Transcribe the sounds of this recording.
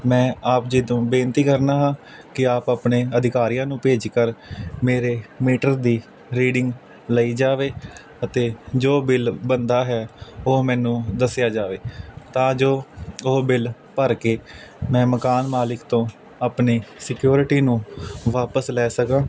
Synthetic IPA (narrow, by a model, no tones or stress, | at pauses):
mɛ̃ːaːpd͡ʒɪd̪õːbẽːnt̪iːkəɾnaːɦãːkɪaːpaːpneːəd̪ɪkaːɾɪjãːnũːpeːd͡ʒkəɾmeːɾeːmiːʈəɾd̪iː | ɾiːɖɪŋɡ | ləiːd͡ʒaːʋeː | ət̪eːd͡ʒoːbɪlbənd̪aːɦɛːoːmɛ̃ːnũːd̪əsjaːd͡ʒaːʋeːt̪ãːd͡ʒoːoɦbɪl | pəɾkeːmɛ̃ːməkaːnmaːlɪkt̪õː | aːpneːsɪkjoːɾʈiːnũːʋaːpəslɛːsəkãː